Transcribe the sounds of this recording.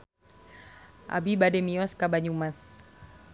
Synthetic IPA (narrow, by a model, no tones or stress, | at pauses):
ʔa̰bibadɛmiɔskabaɲumas